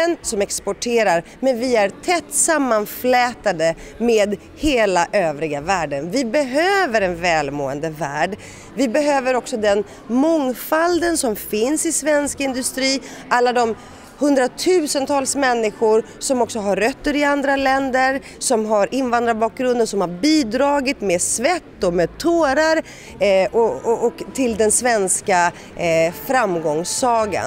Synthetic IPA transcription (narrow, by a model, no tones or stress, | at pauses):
nsɔmɛkspɔʈʰeːɾaɾ | mɛnvɪæɾt̪ʰɛt̪ːsamːanflɛːt̪ad̪əmeːd̪ | heːlaʔøːvɾɪɡavæːɖənvɪbɛɦøːvəɾɛnvɛːlmo̰ːə̰nd̪əvæːɖ | vɪbɛɦøːvəɾɔksɔd̪ɛn | mɔŋfald̪ənsɔmfɪnsɪsvɛnskɪnd̪ɵst̪ɾiːʔalːad̪ɔm | hɵnd̪ɾat̪ʰʉ̟ːsənt̪ʰɑːlsmɛnːɪɧʊɾ | sɔmɔksɔɦaɾœt̪ːəɾɪand̪ɾalɛnd̪əɾ | sɔmɦaɾʔɪnvand̪ɾaɾbɑːk̚ɡɾɵnd̪ənsɔmhaɾbiːd̪ɾɑːɡɪt̪meːsvɛt̪ːɔmeːd̪̚t̪ʰoːɾaɾ | ʔɔɔɔkt̪ʰɪld̪ɛnsvɛnska | fɾamɡɔŋsːɑːɡa̰